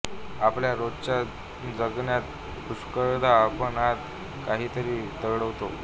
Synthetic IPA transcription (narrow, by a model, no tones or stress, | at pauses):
apljaɾod͡zt͡ɕa | d͡zəɡɳjat̪ | puskəɾd̪ʱaːpəɳat̪ | kaɦiːt̪əɾiːt̪əɡɽəʋt̪o